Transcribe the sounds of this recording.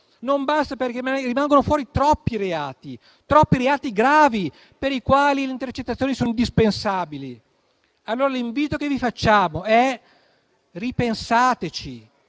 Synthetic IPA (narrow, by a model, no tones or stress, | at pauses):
nombast̪aperkemarimaŋɡonofwɔːɾit̪ɾɔpːiɾeaːt̪i | t̪ɾɔpːiɾeaːt̪iɡɾaːvi | peɾikwaːlileint̪ert͡ʃet̪ːat̪sjoːnisoːnoind̪ispensaːbili | alːoːɾaliɱviːt̪okevifat͡ʃːaːmoɛ | ripensaːt̪et͡ʃi